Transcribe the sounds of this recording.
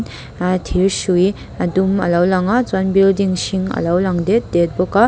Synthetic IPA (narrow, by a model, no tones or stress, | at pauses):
n | at̪ʰiɹʃui | ad̪umɐ̰lawlaŋat͡swanbildiŋɕiŋɐ̰lawlaŋd̪ed̪et̪̚boka